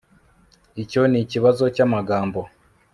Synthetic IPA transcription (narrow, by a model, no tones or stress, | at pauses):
ico̞niciβazo̞camaɡaːmbo̞